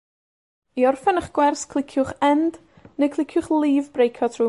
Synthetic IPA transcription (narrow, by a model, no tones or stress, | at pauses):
iɔrfɛnəχɡ̥wɛrskʰl̥ˠɪkʰjʊχɛnd̥ | nejkʰlˠɪkʰjʊχlˠiːvbrejkʰɔtʰruː